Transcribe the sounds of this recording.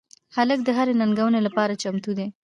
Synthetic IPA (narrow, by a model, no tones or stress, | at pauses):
halək̚d̪əɦaɾenaŋɡawənelapɑɾat͡ʃamt̪ud̪e